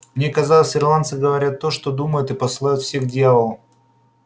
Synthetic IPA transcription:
mnʲekɐzalˠəsʲɪrlˠant̪sɨɡəvɐɾʲat̪ːo̞ʂt̪od̪uməjʊt̪ɨpəsɨlˠajʊt̪fsʲe̞xdʲɪjavəlˠ

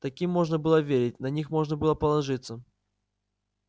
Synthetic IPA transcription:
t̪ɐkʲimːo̞ʐnəbɨlˠəvʲeɾʲɪt̚ʲnɐnʲixmo̞ʐnəbɨlˠəpəlˠɐʐɨt̪sːə

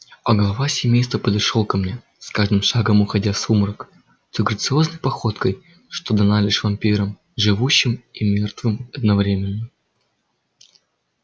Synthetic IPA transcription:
ɐɡəlˠɐvasʲɪmʲejst̪vəpəd̪ɐʂolˠkɐmnʲe̞ | skaʐd̪ɨmʂaɡəmʊxɐdʲasumɾək | t̪ɨɡɾət̪sɨo̞znəjpɐxo̞t̪kəj | ʂt̪o̞d̪ɐnalʲɪʂvɐmʲpʲiɾəm | ʐɨvuɕːɪmimʲe̞rt̪vɨmɐd̪nɐvɾʲemʲɪnːə

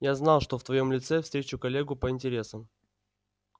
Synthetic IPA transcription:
jaznɑlˠʂt̪oft̪vɐjo̞mlʲɪt̪sɛfst̪ɾʲet͡ɕʊkɐlʲːeɡʊpəɪnʲtʲɪɾʲe̞səm

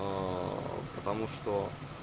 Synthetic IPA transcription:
pət̪ɐmuʂt̪o

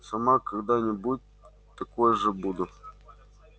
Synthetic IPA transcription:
sɐmakɐɡd̪anʲɪbut̚ʲ | t̪ɐkojʐəbud̪ʊ

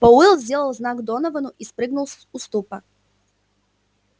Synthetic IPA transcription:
pɔɨlˠzʲdʲelˠəlˠznaɡd̪onəvənʊʔispɾɨɡnʊlˠs | ʊst̪upək

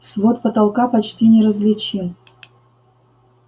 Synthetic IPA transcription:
svot̪pət̪ɑlˠkɑpat͡ɕtʲinʲɪɾəzlʲɪt͡ɕim

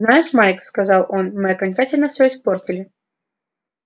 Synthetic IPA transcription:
najɪʂmajkfskɐzɑlˠo̞nmɨɐkɐnʲt͡ɕatʲɪlʲnəfsʲɵɪspo̞rtʲɪlʲɪ

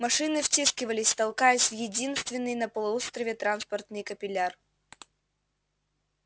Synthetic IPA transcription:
mɐʂɨnɨfʲtʲiskʲɪvəlʲɪsʲt̪ɐlˠkajɪsʲvjɪdʲinst̪vʲɪnːɨjnəpəlˠʊost̪ɾəvʲɪt̪ɾanspərt̪nɨjkəpʲɪlʲar

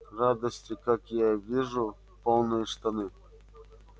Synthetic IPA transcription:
rad̪əsʲtʲikakjavʲiʐu | polˠnɨjʂt̪anɨ

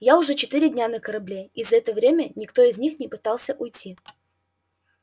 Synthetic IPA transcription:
jaʊʐɛt͡ɕɪt̪ɨɾʲɪdʲnʲanəkəɾɐblʲeizəɛt̪əvɾʲemʲənʲɪkt̪o̞ɪzʲnʲixnʲɪpɨt̪ɑlˠsʲəʔʊjtʲːi

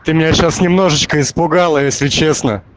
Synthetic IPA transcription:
t̪ɨmʲɪnʲæɕasnʲɪmno̞ʐɨt͡ɕkəɪspʊɡalˠəjesʲlʲɪt͡ɕe̞snə

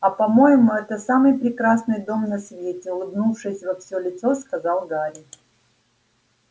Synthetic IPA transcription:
ɐpɐmo̞jɪmʊɛt̪əsamɨjpɾʲɪkɾasnɨjd̪o̞mnɐsvʲetʲɪʊlˠɨbnufʂɨsʲvɐfsʲolʲɪt̪so̞skɐzɑlˠɡaɾʲɪ

